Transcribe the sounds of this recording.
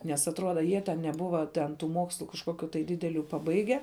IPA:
ˈnʲɛs ɐtˈruɔdɐ ˈjiɛ tʲɛn nʲɛˈbʊʋɐ tʲɛn ˈtuː ˈmoːkslˠʊ kɐʃˈkoːˌkʲʊ tɐɪ ˈdʲɪdʲɛˌlʲʊ pɐˈbɐɪɡʲɛ

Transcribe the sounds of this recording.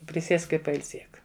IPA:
pʲrʲɪˈsʲiɛsk ɪ pɐɪlʲˈsʲiɛk

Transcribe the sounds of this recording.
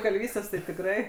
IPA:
kɐlʲˈʋʲiːsʲtʲeːs tɐɪ tʲɪkˈrɐɪ

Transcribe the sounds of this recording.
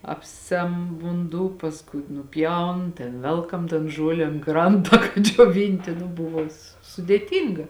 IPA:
ˈɑːpʲˌsʲɛm ʋʊnˈduː pɐsˈkʊɪ nʊˈpʲjɛʊn tʲɛn ˈʋʲɛlˠkɐm tɐn ˈʒuɔlʲɛ ɐn ˈkrɐntɐ kɐt d͡ʒʲoːˈʋʲɪnʲtʲɪ nʊ ˈbʊʋoː s sʊdʲeːˈtʲiːŋɡɐ

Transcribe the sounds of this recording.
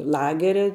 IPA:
ˈlˠɑːɡʲɛrʲɛ

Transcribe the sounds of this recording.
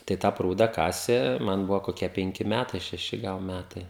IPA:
tɐɪ ˈtɑː ˈpruːdɐ ˈkɑːsʲeː ˈmɐn ˈbʊʋoː koːˈkʲiɛ pʲɛŋʲˈkʲɪ ˈmʲætɐɪ ʃʲɛˈʃʲɪ ˈɡɐlˠ ˈmʲætɐɪ

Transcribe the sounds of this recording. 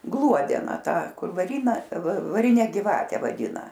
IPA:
ˈɡlˠuɔdʲɛnɐ ˈtɑː ˈkʊr ʋɐˈrʲiːnɐ ʋɐˈrʲɪnʲɛ ɡʲɪˈʋɑːtʲɛ ʋɐˈdʲɪnɐ

